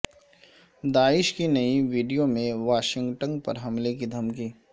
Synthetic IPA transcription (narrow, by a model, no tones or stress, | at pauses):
d̪aːɪʃkinɐiʋiːɖijomẽʋaːʃɪ̃ŋɡʈə̃ŋɡpɐ̰ɾɦɐmlek̬id̪ʱɐmkiː